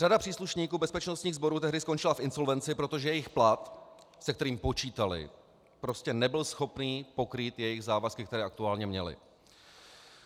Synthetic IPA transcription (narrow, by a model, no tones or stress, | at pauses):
radapr̥iːsluʃɲiːkuːbɛspɛt͡ʃnost̪ɲiːɣzbo̞ɾuːt̪ɛɦdɪsko̞nt͡ʃɪlafʔɪnso̞lvɛnt͡sɪpɾo̞t̪o̞ʒɛjɛjɪxplat̪ | sɛk̚t̪ɛɾiːmpo̞t͡ʃiːt̪alɪ̰ | pɾo̞scɛnɛbɪlsxo̞pniːpo̞kɾiːt̪jɛjɪɣzaːvaskɪkt̪ɛɾɛːʔakt̪uaːlɲɛmɲɛlɪ̰